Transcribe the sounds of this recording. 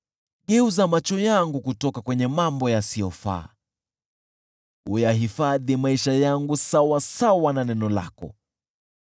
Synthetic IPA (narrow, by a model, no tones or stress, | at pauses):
ɠɛuzamat͡ʃɔjaŋɡukutɔkakwɛɲɛmambɔjasijɔfa̰ː | ujaɦifaðimaiʃajaŋɡusawasawananɛnɔla̰kɔ̰